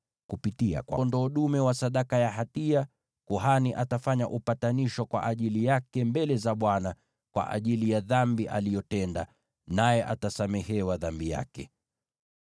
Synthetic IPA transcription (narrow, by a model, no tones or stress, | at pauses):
kupitia̰kwandɔːɗumɛwasaɗakajaɦatia | kuɦaniʔatafaɲa̰ʔupataniʃwakwa̰ʔaʄilijakɛmbɛlɛzaɓwana | kwa̰ʔa̰ʄilijaðambiʔa̰lijɔtɛnda̰ | najɛʔatasamɛhɛwaðambija̰kɛ